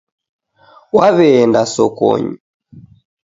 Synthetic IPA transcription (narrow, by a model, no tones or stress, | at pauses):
waβɛːndasɔkɔ̰ɲi